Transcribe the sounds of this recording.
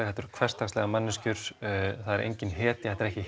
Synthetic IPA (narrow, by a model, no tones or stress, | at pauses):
ɛxhɛt̪ːʏɾ̥kʰvɛr̥st̪akslɛɣamanːɪscʏɾ̥θaðɛɾḛjɲcɪnɦɛːt̪ɪθɛt̪ːɾɛhcɪ